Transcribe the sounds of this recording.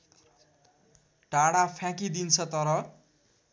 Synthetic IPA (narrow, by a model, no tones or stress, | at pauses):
ʈaɽapʰjãkid̪int͡sʰʌt̪ʌɾʌ